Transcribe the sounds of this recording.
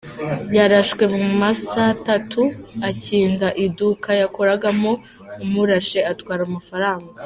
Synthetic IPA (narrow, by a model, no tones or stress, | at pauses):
jaɾaʃkwe̞muumasatatʰuaciːŋɡaʔidukʰajakoɾaɡamo | umuɾaʃe̞atkwaːɾamafaɾaːŋɡa